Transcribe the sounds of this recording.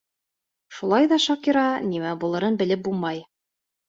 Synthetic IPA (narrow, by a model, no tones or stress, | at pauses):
ʃulˠɑjðɑʃɑkiɾɑnimæbulˠɤ̆ɾɤnbɘ̆lɘp̚bulˠmɑj